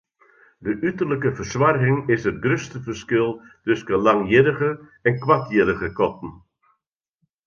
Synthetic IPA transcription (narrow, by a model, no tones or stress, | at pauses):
dəʔytərləkəfərsʋarɣɪŋɪsətɡrøstəvərskɪlˠtʏskəlɑŋjɪɾəɣəɛnkʋatjɪɾəɣəkɔtn̩